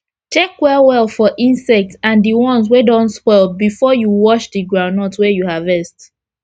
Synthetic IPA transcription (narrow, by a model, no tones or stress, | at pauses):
t͡ʃɛkwɛwɛlˠfɔʔĩnsɛk̚tsãndiwɔ̃nswɛdɔ̃nspɔlbifɔjuwɔʃdiɡɹãʊnɔtwɛjuhavɛst